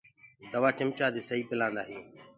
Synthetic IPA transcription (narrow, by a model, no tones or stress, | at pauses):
d̪əʋaːt͡ʃɪmt͡ʃaːd̪eːsəiːpɪlãːnd̪aːɦĩː